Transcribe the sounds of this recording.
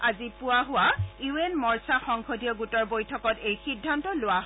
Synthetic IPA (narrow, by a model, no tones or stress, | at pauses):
azipʊwaɦʊwajuenmɔɹsaxɔŋxodʱijɔɡutɔɹbojtʰɔkɔtejxidʱːantɔlʊwa